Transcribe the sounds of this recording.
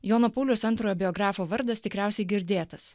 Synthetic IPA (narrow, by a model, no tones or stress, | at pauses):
joːnopuːlʲʊsɐnt̪ɾoːjoːbʲɪɔɡɾɑːfoːʋɐɾd̪ɐst̪ʲɪkɾʲæˑʊsʲɛɪɡʲɪɾʲd̪ʲeːt̪ɐs